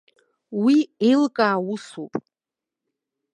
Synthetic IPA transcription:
wielkʼaːwʊsupʼ

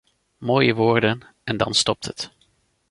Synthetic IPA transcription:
moːjəʋʊːɹdən | ɛndɑ̰nstɔp̚tɦət

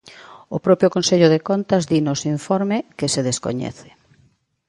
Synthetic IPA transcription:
ʊpɾɔpɾjʊkonseʎʊðekont̪ɐzðinosiɱfɔɾmɪkɪseðesko̰ɲɛ̰θɪ̥

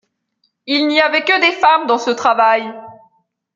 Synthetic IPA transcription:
ilniavɛkəd̪efamd̪ɑ̃sət̪χavaj

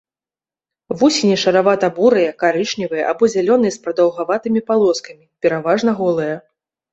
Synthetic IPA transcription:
vusʲinʲɛʂɐɾavat̪ɐbuɾɨjɐkaɾɨʂnʲivɨjɛʔabɔzʲalʲɔn̪ɨjɛspɾɐd̪ɐwɣavat̪ɨmʲipalˠɔskɐmʲipʲɛɾavaʐnɐɣɔlˠɨjɐ

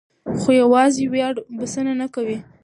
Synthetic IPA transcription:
xojawɑziwjɑɽbəsənanakawi

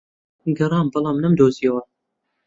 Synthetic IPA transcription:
ɡɐɾˤɑːmbɑlˠɑːmnɐmd̪oːzijɐwɐ

